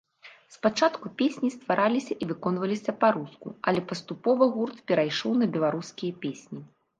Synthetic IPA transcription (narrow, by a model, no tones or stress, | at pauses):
spat͡ʂat̪kupʲesʲnʲist̪vaɾʔalʲisʲɐʔivɨkɔn̪vɐlʲisʲɐpaɾuskṵɐlʲɛpɐst̪upɔvɐɣurt̪pʲɛɾajʂɔwnɐbʲɛlˠaɾuskʲijɐpʲesʲnʲi